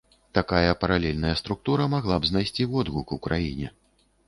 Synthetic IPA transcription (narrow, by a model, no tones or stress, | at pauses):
t̪akajɐpɐɾalʲɛlʲnɐjɐst̪ɾuk̚t̪uɾɐmaɣlˠabznajsʲt͡sʲivɔd̪ɣukuwkɾajinʲɛ